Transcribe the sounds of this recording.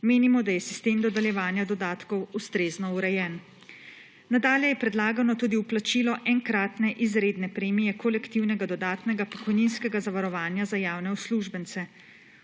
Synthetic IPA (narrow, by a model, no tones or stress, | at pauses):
meːnimɔd̪ajɛsist̪eːmd̪ɔd̪ɛljɛʋaːnjad̪ɔd̪aːt̪kɔwust̪ɾeːznɔuɾɛjɛn | nad̪aːljɛjɛpɾɛd̪laːɡanɔt̪uːd̪iwplat͡ʃiːlɔʔɛŋkɾaːt̪nɛʔizɾeːd̪nɛpɾeːmijɛkɔlɛkt̪iwnɛɡad̪ɔd̪aːt̪nɛɡapɔkɔjninskɛɡazaʋaɾɔʋaːnjazajaːwnɛusluʒbənsɛ